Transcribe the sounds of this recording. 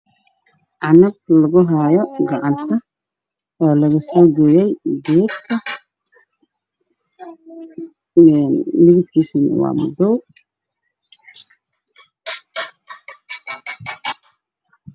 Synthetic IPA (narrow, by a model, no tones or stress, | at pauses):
ʔɑnɐb̚lɐɣʊɦɐjɔɡɐʕɑnt̪ʰɐ | ɔːlɐɣɐsɔːɡujɛjɡɛːd̪kʰɐ | ɛnmɪðɪb̚kʰiːsɪn̰wɑ̰ːmʊd̪ɔw